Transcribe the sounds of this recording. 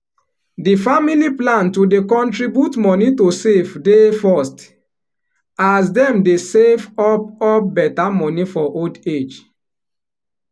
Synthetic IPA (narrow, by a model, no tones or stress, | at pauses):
difamiliplãntudekɔ̃ntɹibjutmɔnitosevdefɔst | as̬dɛ̃mdesevɔp̚ɔp̚bɛtamɔnifɔʔolded͡ʒ